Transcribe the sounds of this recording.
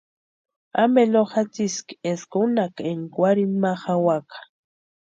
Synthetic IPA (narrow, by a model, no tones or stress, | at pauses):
ameloχat͡siskieskonakeŋkwaɾimaχawakḁ